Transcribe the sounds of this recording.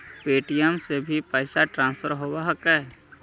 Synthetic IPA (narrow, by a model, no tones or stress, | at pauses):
peːʈijəmsebʱipəɪsaʈɾãːnspʰəɾɦowaɦəkɛ